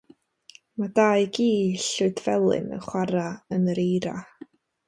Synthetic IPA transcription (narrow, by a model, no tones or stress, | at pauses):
madaːjɡiːɬʊɨdvɛlˠɨ̰nə̰χwaɾaənəɾejɾa̰